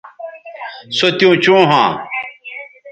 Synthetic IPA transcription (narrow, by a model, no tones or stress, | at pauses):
sot̪jõːt͡ɕõːɦãː